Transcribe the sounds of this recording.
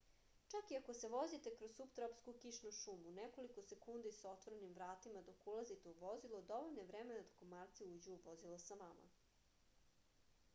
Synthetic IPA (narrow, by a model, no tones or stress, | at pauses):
t͡ʃakiako̞se̞ʋo̞zit̪ekɾosupt̪ɾopskukiʃnoʃuːmuneko̞likose̞kund̪isao̞t̪ʋoɾenimʋɾaːt̪imad̪o̞kulˠazit̪euʋo̞zilˠod̪o̞ʋoʎnoeʋɾeme̞nat̪o̥komaːɾt̪siuːd͡ʑuuʋo̞zilˠosanama̰